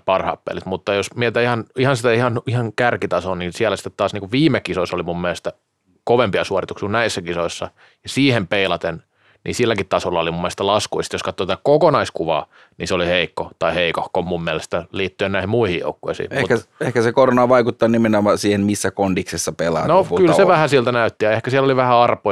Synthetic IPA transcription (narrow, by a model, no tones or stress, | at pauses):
pɑrhɑ̰ːpːḛlit̪mut̪ːɑjosmiet̪æihɑnihɑnsit̪æihɑnihɑŋkærkit̪ɑsonninsiælæsi̥t̪ːet̪ːɑːsniːkuʋʋiːmekisoisolimumːiælest̪æ | koʋempiɑsuorit̪uksikunæisːækisoisːɑ | jɑsiːhempeilɑt̪en | nḭsilːækit̪t̪ɑsolːɑolimumːelest̪ælɑskuist̪joskɑt̪ːot̪æt̪ækokonɑiskuʋɑ̰ː | nḭseoliheikːot̪ɑiheikohkomumːiælest̪æliːt̪ːyønnæihimmuihijjo̰ukːo̰isḭːeutkæehkæsekoronɑːʋɑikut̪ːɑːnimenomɑsiːhenmisːækondiksesːɑpelɑ̰ːnokylseʋæhæsiælt̪ænæyt̪ːijɑehkæsiælːoliʋæhæɑrpˑo